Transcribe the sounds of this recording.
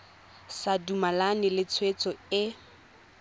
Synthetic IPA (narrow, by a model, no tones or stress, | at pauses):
sadumalanɪlɪt͡sʰwet͡sʼɔɪ